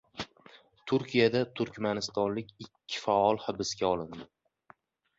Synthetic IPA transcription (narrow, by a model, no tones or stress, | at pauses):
t̪ʰʊɾkʲʰijad̪at̪ʰʊɾkʲmanɪst̪ɒnlɪkʲɪkʲʰːɪ̥faɒlˠhɪbɪsɡʲaɒlˠɪnd̪ɪ